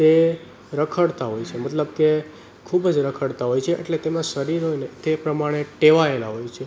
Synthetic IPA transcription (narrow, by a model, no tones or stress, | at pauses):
t̪e | ɾəkʰəɽt̪aɦojt͡ʃʰemət̪ləbke | kʰubd͡ʒɾəkʰəɽt̪aɦojt͡ʃʰeʔḛʈlet̪emãʃəɾiɾɦojnet̪epɾəmaɽ̃eʈeʋaelaɦojt͡ʃʰe